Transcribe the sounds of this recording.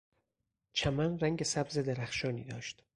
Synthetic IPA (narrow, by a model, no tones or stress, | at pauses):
t͡ʃʰæmænræŋɟe̞sæbze̞d̪eɾæxʃɒːnḭːd̪ɒːʃt̪